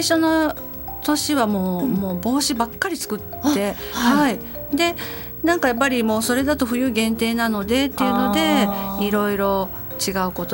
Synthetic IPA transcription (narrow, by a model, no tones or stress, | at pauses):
aiɕo̞no̞ | t̪o̞ɕiβamo̞ːmoːbo̞ːɕibakːaɾʲit͡sɨ̥kɯ̟t̪ːe̞hai | d̪e̞ | nãŋkajapːaɾʲimo̞ːso̞ɾe̞d̪at̪o̞ɸɯ̟jɯ̟ːɡẽ̞nt̪e̞ːnano̞d̪e̞t̪ːeiɯ̟no̞d̪e̞iɾo̞iɾo̞ | t͡ɕiɡaɯ̟ko̞t̪o